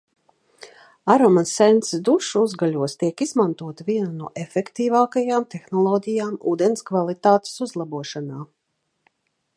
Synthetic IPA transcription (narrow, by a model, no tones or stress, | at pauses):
aɾɔmasɛnt̪sd̪uʃuzɡalʲuɔst̪iɛkizmãnt̪uɔt̪aviɛnanuɔʔefʲɛkt̪iːvaːkajaːmt̪exnɔlˠɔɟ̪ʲijaːmṵːd̪enskvalˠit̪aːt̪e̥suzlˠabuɔʃanaː